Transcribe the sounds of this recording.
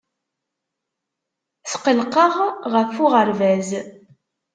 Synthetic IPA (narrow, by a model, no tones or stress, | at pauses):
θqəlqəʁʁəfʊʁəɾvæz